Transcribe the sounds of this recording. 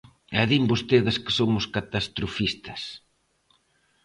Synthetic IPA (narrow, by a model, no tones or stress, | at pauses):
ɛðimbost̪eðɪskɪ̥somʊskat̪ast̪ɾofist̪ɐ̥s